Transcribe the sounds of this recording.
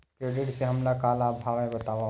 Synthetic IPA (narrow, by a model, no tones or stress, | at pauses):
kɾeːɖɪʈseɦɐmlakaːlaːbʱaːʋẽbɐt̪aːʋa